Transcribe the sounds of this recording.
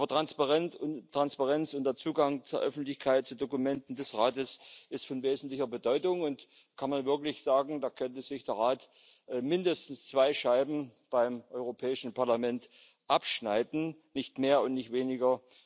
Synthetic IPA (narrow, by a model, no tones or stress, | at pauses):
ʔabɐtʁ̥anspaʁɛntʊtʁ̥anspaʁɛnt͡sʊnd̥eːɐt͡suːɡaŋt͡suːɐʔœfn̩tlɪçkʰaɪt̚t͡sudokumɛntn̩dɛsʁaːtəsʔɪstfɔnveːzn̩tlɪçɐbədɔʏtʊŋʊnt | kʰanmanvɪɐklɪçz̥aːɡŋ̩daːkʰœntəz̥ɪçd̥eːɐʁaːt | ʔmɪndəstn̩st͡sv̥aɪʃaɪbm̩b̥aɪmʔɔʏʁopʰɛːɪʃn̩paɐlamɛnt | ʔapʃnaɪdn̩nɪçtmeːɐʊntnɪçtv̥eːnɪɡɐ